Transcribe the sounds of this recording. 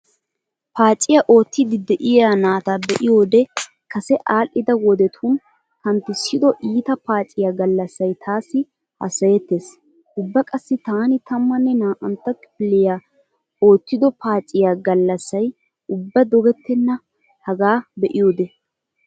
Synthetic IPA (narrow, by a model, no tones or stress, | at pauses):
paːt͡ʃʼːɪjaʔo̞ːt̪ːɪd̪ɪd̪ɛʔɪjaːnaːt̪abɛʔɪjo̞ːd̪ɛ | kɐsɛʔaːlʔɪd̪ɐwɔd̪ɛt̪ʰuːn | hɐnt̪ːɪsɪd̪ɔʔiːt̪ɐpaːt͡ʃʼɪjaːɡɐlːɐsːɐjt̪ʰaːsːɪ | hɐ̰sɐjɛt̪ːes | ʊbːɐkʼɐsːɪt̪aːnɪt̪ɐmːɐnːɛnaːʔɐnt̪ːɐkʼɪpɪlːɪjaː | o̞ːt̪ːɪd̪ɔpaːt͡ʃʼːɪjaːɡɐlːɐsːɐj | ʊbːɐd̪ɔɡɛt̪ːɛnːɐ | hɐɡaːbɛʔɪjo̞ːd̪ɛ